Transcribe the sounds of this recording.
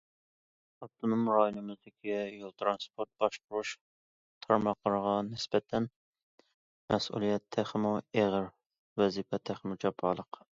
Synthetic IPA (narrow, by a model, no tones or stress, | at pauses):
ɑt̪ʰːɨnɨŋmɾɑjilɨmɨzd̪ɪkʲijolˠt̪ʰɾɑnspʰoɾt̪̚b̥ɑʃqʊɾuʃ | t̪ʰɑɾmɑqlˠəɾəʁɑnɪsbɛt̪ʰːɛn | mɛsṵlˠijɛt̪ʰːæχmueʁəɾ | wɛzipɛt̪ʰæχmud͡ʒɑpʰːɑlˠəq